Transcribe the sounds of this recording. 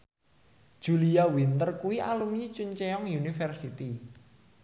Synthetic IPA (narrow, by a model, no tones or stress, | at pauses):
d̥ʒ̥uliawint̪ərkuwialumɲit͡ʃuɲt͡ʃɛɔŋjunifɛrsit̪i